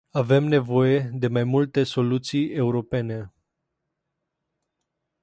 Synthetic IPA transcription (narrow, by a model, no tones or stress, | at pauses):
ave̞mne̞vo̞je̞d̪e̞majmult̪e̞so̞lut̪sije̞uɾo̞pe̞ne̞